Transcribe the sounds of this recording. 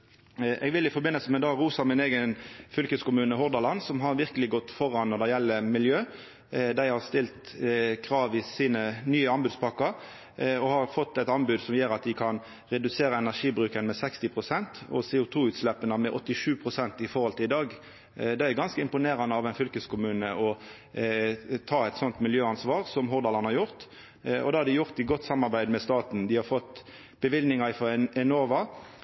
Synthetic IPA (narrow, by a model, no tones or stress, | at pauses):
ʔɛ̰ːɡʋɪlɪfɔɾbɪnːəlsəmɛd̪ɑːɡɾuːsɑmɪneːɡənfʏlkəskʊmʉːnəɦʊɾd̪ɑlɑnsɔmɦɑɾʋɪʁkəlɪɡɔt̪ːfɔɾɑnːɔd̪ɛjɛlːəmɪljøː | d̪æɪhɑʁst̪ɪlt̪ | kʰɾɑːʋɪsiːnənyːəɑnbʉd̪spʰɑkəɾ | ɔhɑɾfɔt̪ːɛt̪ɑnbʉːd̪sɔmjøːɾɑt̪̚d̪ɪkʰɑn | ɾɛd̪ʉseːɾəɛnæʂiːbɾʉːkənmɛsɛkst̪ɪpʰʁʊsɛnt̪ɔ̰seːʊt̪ʰuːʉːt̪slɛpːənəmɛʔɔt̪ːɪʂʉːpʰɾʊsɛnt̪ɪfɔɾhɔlt̪ʰɪlɪd̪ɑːɡ | d̪ɛæɾɡɑnskəɪmpʊneːɾɑnəɑʋɛɪnfʏlkəskʰʊmʉːnəʔɔ | t̪ʰɑːɛɪt̪sɔnt̪mɪljøːɑnsʋɑːɾsɔmɦʊɾd̪ɑlɑnhɑɾjʊʁt̪ | ɔ̰d̪ɛhɑɾd̪ɪjʊʁt̪ɪɡɔt̪ːsɑmːɑɾbæɪd̪mɛst̪ɑːt̪n̩d̪ɪhɑɾfɔt̪ː | b̥əʋɪlnɪŋɑɪfɔɛnoːʋɑ